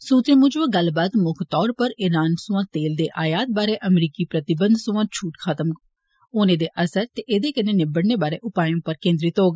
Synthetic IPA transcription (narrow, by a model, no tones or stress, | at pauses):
suːt̪ẽːmʊd͡ʒʋãɡəlbaːt̪mʊkʰt̪ɔːɾpəɾɪɾaːnsʊãːt̪eːld̪eːʔaːjaːt̪̚baːɾeːʔəmɾiːkiːpɾət̪ɪbənd̪sʊʋãːt͡ʃʰuːʈkʰat̪əm | oːnẽːd̪eːʔəsəɾt̪eːʔeːd̪eːkəneːnɪbəɽneːbaːɾḛːʔʊpaːjõːpəɾkẽːnd̪ɾiːt̪oːɡ